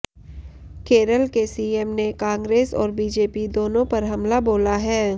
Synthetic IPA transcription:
keːɾəlkesiːɛmnekãːŋɡɾeːsɔːɾbiːd͡ʒeːpid̪oːnõpɐɾɦɐmlaboːlaɦɛː

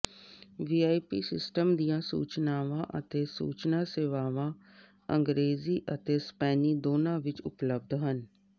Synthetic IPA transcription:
ʋiːaːipiːsɪ̰sʈəmd̪ijãːsṵːt͡ʃnaːʋãːʔə̰t̪eːsṵːt͡ʃnãːseːʋaːʋãː | ə̰̃ŋɡɾeːziːʔət̪eːspɛːniːd̪oːnãːʋɪt͡ʃʊpləb̚d̪ɦən

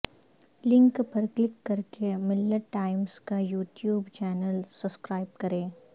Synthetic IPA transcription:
lɪ̃ŋkpɐɾklɪkːɐɾkemɪlːəʈaːɪmskajuːʈjuːbt͡ʃɛːnəlsɐpskɾaːɪbkɐɾẽː

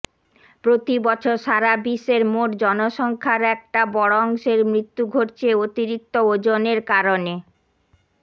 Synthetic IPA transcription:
pɾot̪ibɔt͡ɕʰoɾʃaɾabiʃeɾmoʈd͡ʑɔnoʃɔŋkʰaɾɛk̚ʈabɔɽɔŋʃeɾmɾit̪ːuɡʱoʈt͡ɕʰeot̪iɾik̚t̪ood͡ʑoneɾkaɾone

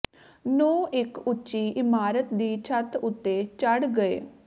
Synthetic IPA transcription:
noːʔɪkʊːʃiːʔɪmaːɾət̪d̪iːt͡ʃʰət̪ʊt̪ːeːt͡ʃəɽɡəḛː

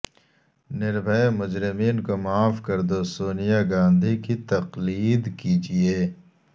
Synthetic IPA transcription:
nɪɾbʱəemʊd͡ʒɾɪmiːnkomaːfkɐɾd̪osoːnijaɡãːnd̪ʱikit̪ɐqliːd̪kid͡ʒieː

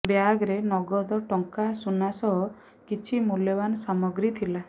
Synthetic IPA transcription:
bjaɡɾenɔɡɔd̪ɔʈɔŋkasunasɔɦɔ | kit͡ʃʰimuljɔbanɔsamɔɡɾit̪ʰila

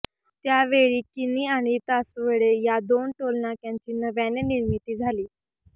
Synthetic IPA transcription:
t̪jaʋeɭiːkiniːaɽ̃it̪asʋeɭejad̪onʈolɳakjãɲt͡ɕiːnəʋjanjaniɾmit̪iːd͡zʱaliː

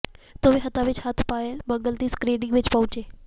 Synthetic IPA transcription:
t̪oːʋeɦɐt̪aʋɪt͡ʃhət̪ʰpaːjelmə̃ŋɡəlt̪iːskɾiːnɪ̃ŋɡʋɪt͡ʃpɐ̃ʊ̃t͡ʃeː

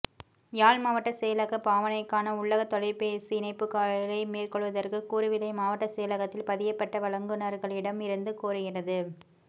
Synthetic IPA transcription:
jaːlmaːʋɐʈːɐseːɐlɐɣɐpaːʋɐnɐɪkːaːnɐʊɭːɐɣɐt̪ːɔɭɐɪpeːsɯɪnɐɪpːɯkaːɭlɐɪmeːrkɔɭʋɐðɐrkɯkuːɾɯʋɪlɐɪmaːʋɐʈːɐsɛːjɐlɐɣɐt̪ːɪlpɐðɪjɐpːɐʈːɐʋɐɭɐŋɡɯnɐɾɣɐɭɪɽɐmɪɾɯnd̪ɯkuːɾɯɣɪrɐðɯ

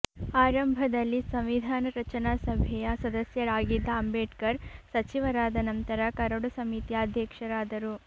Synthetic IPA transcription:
aːɾɐmbʱɐd̪ɐlːisɐmʋid̪ʱaːnɐɾɐt͡ʃɐnaːsɐbʱɛjɐsɐd̪ɐsjɐɾaːɡid̪ːɐːmbeːʈkɐɾsɐt͡ʃiʋɐɾaːd̪ɐnɐnt̪ɐɾɐkɐɾɐɽusɐmit̪ijaːd̪ʱjɐkʂɐɾaːd̪ɐɾu

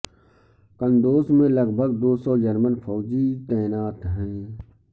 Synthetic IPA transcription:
kə̃nd̪oːsmẽləɡbʱəɡ̚d̪oːsɔːd͡ʒəɾmənfʰɔːd͡ʒit̪ɛːnaːt̪ɦɛ̃ː

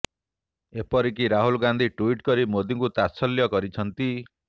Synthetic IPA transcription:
epɔɾik̬iɾaɦulɡand̪ʱiʈuiʈkɔɾimod̪iŋkut̪asɔljɔkɔɾit͡ʃʰɔnt̪i

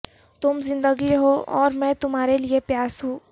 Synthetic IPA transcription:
t̪ʊmzɪ̃nd̪əɡiɦoɔːɾmɛ̃t̪ʊmɦaːɾeliepjaːsɦũː

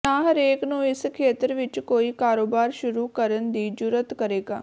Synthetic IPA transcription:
naːɦəɾeːknũːɪskʰeːt̪əɾʋɪt͡ʃkoːiːkaːɾoːbaːɾʃʊɾuːkəɾənd̪iːd͡ʒʊɾət̪kəɾeːɡaː

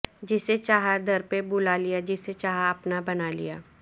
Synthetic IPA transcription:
d͡ʒɪset͡ʃaːɦad̪ʱɐɾpebʊlalijad͡ʒɪset͡ʃaːɦaɐpnabɐnalḭjaː

